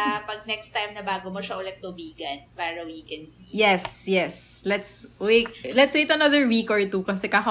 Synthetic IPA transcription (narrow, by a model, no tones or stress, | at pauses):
apɐɡ̚nɛkst̪ajmnɐbaːɡomoʃɐʔʊlɛt̪̚t̪obiːɡɐnpaːɾɐwikɛnsijɛsjɛslɛt̪swet̪̚lɛt̪swejt̪ɐnɐðəɹwikɔɹt̪ukɐsɛkakɐ